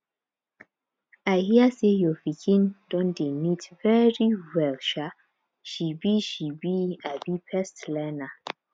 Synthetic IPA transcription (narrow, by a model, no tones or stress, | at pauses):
aɪhiəsejɔvikʰĩnd̥ɔ̃ndemitvɛɹiwɛlʃa | ʃibiʃibiabipʰɛstlɛna